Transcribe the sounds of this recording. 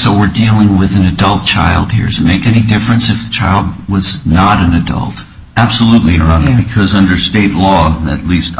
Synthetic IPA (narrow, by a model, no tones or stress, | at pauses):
soʊwɪɹdilˠɪ̃ŋwɪðɨ̃nɨdʌlˠt̚t͡ʃʰa̰ɪlˠd̥̚hḭɹtɨmeɪkɛnidɪfɹɨ̃nsɨfðət͡ʃʰaɪlˠd̚wʌznəɾɨ̃nɨdʌ̰lˠt̚ | æb̥səlutˡliə˞ʌ̃nɨkʰʌzʌ̃ndə˞steɪtˡlɔɨ̰tˡlist